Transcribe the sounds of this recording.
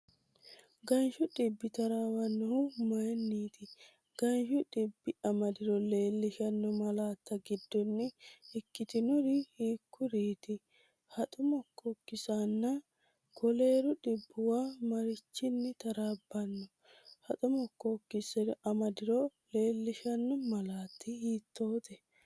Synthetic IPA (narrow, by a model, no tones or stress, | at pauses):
ɡɐnʃʊɗɪbːɪt̪ɐɾaːwɐnːɔhʊmɐjnːiːt̪ɪ | ɡ̥ɐnʃʊᶑɪbːɪɐmɐd̪ɪɾɔle̞ːlːɪʃɐnːɔmɐlaːt̪ːɐɡɪd̪ːɔnːɪɪkːɪt̪ɪnɔɾɪhiːkːʊɾiːt̪ɪ | hɐt̪ʼʊmɔkːɔkːɪsanːɐ | ɡ̥ɔle̞ːɾʊɗɪbːʊwaːmɐɾɪt͡ʃːɪnːɪt̪ɐɾaːbːɐnːɔ | hɐt̪ʼʊmɔkːɔkːɪsɛɾʔɐmɐd̪ɪɾɔle̞ːlːɪʃɐnːɔmɐlaːt̪ːɪhiːt̪ːo̞ːt̪ɛ